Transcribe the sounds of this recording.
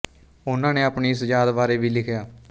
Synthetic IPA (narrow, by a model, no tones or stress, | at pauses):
ʊnãːneːapɳiːɪsd͡ʒaːd̪ʋaːɾeːʋiːlɪkʰjaː